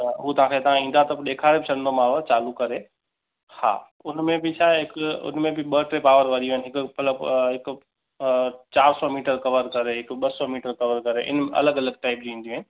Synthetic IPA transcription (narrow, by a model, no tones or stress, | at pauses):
ɦuːt̪ɐʋ̤ãːkʰet̪ɐʋ̤ãĩːnd̪aɦt̪ɐpɗ̪eːkʰaːɾebɪt͡ʃʰɐɽ̃nd̪omaːʋət͡ɕaːlukɐɾe | ha̰ː | ʊnmẽbɪt͡ʃʰaːeɦɪkʊʊ̰nmẽbɪɓəʈɾeːpaːʋəɾʋɐɗijõɦɪnɪɦɪkʊpɐləbɦɪk | t͡ɕaːɾsɔmiːʈəɾkɐʋəɾkɐɾeɦɪkɓɐsɔmiːʈəɾkɐʋəɾkɐɾeʔɪ̰nmʔɐ̰ləɡɐləɡ̚ʈaːɪp̚d͡ʑĩːnd̪ijũɦənɪ̆